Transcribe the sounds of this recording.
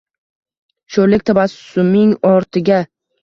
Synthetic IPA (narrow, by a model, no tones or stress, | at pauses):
ʃolɪk̚ʲt̪ʰabasʊmɪŋɒɾt̪ʰɪɡʲa